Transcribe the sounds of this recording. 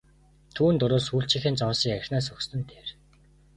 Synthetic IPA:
t̪ʰuːnt̪ʊɾoːsuɬt͡ɕʰĭxɘ̆nt͡sɔːsiːkæɾ̆ʲxʲnæːs̬ɵkst̪ɘ̆nt̪ʰeːr

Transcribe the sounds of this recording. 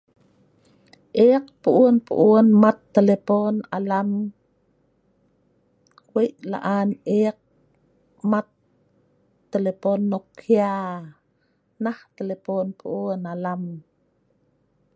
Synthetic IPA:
ʔek̚puʔuənpṵʔuənmat̪ːeleponalam | weʔla̰ʔaneq̚ | mat̪ | eleponːokʰja | naht̪eleponpʰuʔuənalam

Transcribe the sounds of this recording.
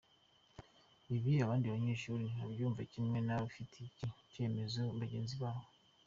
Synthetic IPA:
iβiaβaːndiβaɲe̞ːʃuːɾiaβjuːɱvacimŋe̞naβafitʰecice̞ːme̞zo̞βaɟe̞ːnziβaːho

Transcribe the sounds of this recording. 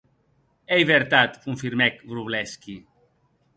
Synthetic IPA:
ejβeɾt̪at̪kuɱfiɾmɛkbɾuβlɛski

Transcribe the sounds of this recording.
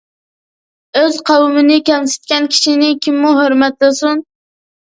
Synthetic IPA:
øzqʰɑwɨmɪnɪkʲɛmsɪ̥t̪̚kʲɛnkʲʰi̥ʃinɪkʲʰimːuɦøɾmɛt̪lɨsun

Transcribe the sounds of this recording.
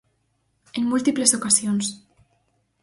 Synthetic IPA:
eŋmult̪iplesokasjons

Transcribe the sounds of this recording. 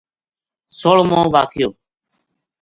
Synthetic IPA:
soːɭmõːʋaːkʰɪjoː

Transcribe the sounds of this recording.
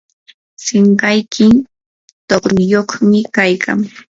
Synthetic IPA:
sɪɴɢɑjkʰɪn | t̪oχɾʊjoχmɪkajkʰa̰ŋ

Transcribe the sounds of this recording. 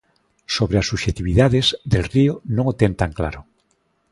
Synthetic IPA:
soβɾeasuʃet̪iβiðaðezðelrionõŋot̪ent̪aŋkla̰ɾo

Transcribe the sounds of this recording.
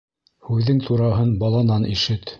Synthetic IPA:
hʉðːɘŋt̪ʰuɾɑɦɤnbɑlˠɑnɑnʔiʃɘt̪

